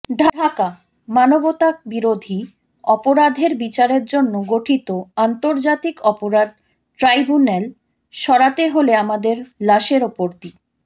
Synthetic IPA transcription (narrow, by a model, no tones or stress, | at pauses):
ɖʱaaka | manobot̪ak̚biɾod̪ʱi | ɔpoɾad̪ʱeɾbit͡ɕaɾeɾd͡ʑonːoɡoʈʰit̪oant̪oɾd͡ʑat̪ikɔpoɾad̪̚ | ʈɾajbunel | ʃɔɾat̪eɦoleamad̪eɾlaʃeɾopoɾt̪i